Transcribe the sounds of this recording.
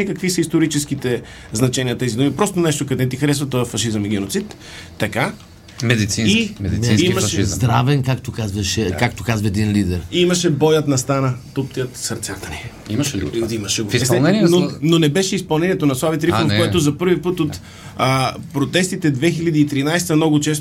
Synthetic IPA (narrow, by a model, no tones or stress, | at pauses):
ɛkɐkvisɐist̪oɾit͡ʃɛsk̟it̪ɛ | znɐt͡ʃɛniət̪ɛzid̪umipɾɔst̪onɛʃt̪okɐd̪ɛt̪ixɐɾɛsvɐt̪ɔfɐʃizəmiɡ̟ɛnot̪sit̪ː | ɐka | mɛd̪it̪sĩimɛd̪imimɐʃɛizzd̪ɾavɛnkakt̪okazvɐʃɛkak̚t̪okazvɐɛd̪inlid̪ɛɾimɐʃɛbɔjət̪nɐst̪anət̪opt̪iət̪sɐɾt̪sat̪ɐni | iimɐʃɛɡossɛnɛnnononɛbɛʃɛispɐlˠnɛniɛt̪onɐslˠavit̪ɾikonokoɔɛt̪ozɐpɤɾvipɤt̪ot̪ | əpɾot̪ɛst̪it̪ɛd̪vɛxilʲɐd̪iːt̪ɾinajst̪əɐmnɔɡʊt͡ʃɛst̪o